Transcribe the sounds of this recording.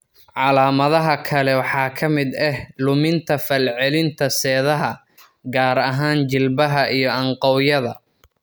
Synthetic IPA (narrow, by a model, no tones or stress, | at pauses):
ʕɑlaːmɐðɐɦɐkʰɐlɛwɑħɑːkʰɐmɪd̪ɛhlʊmɪnt̪ʰɐfɐlʕɛlɪnt̪ʰɐsɛːðɐɦɐ | ɡaːɾɐɦaːnt͡ʃɪlbɐɦɐʔijɞɐɴqɑwjɐðɐ